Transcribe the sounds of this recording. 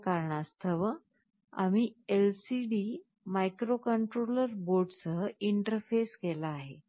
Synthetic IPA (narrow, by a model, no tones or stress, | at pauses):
kaɾɳast̪ʰəʋə | a̰miːelsiɖi | majkɾokəɳʈɾoləɾboɖt͡səiɳʈəɾfeskelaːɦe